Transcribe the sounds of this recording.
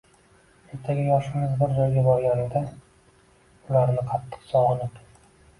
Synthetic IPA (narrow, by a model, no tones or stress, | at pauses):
e̞ɾt̪ʰaɡʲɪjɒʃɪmɪzbɪɾd͡ʒɒjɡʲabɒɾɡʲanɪd̪a | ʊlaɾnɪqʰɑt̪ʰːɨ̥qsɒʁɨnɪp